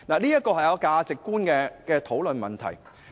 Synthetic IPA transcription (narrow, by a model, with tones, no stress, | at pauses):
naː˨˩niː˥jɐ˥kɔː˧hɐ˨jɐ˨˧wkaː˧t͡sɪ˨kːuː˥nkɛː˧kɛː˧t̪ʰo˨˥wlɵ˨nmɐ˨˩nt̪ʰɐ̰˨˩j